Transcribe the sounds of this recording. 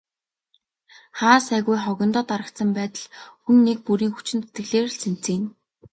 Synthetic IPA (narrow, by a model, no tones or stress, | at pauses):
χaːsæːɣujχɔɣʲɞ̆nt̪ɔːt̪aɾə̆kt̪sə̆mpæːt̪ə̆ɮxunːek̚puɾiːŋxu̥t͡ɕɪ̆nt͡set̪ɡɘ̆ɣɮeːrsen̥t͡siːn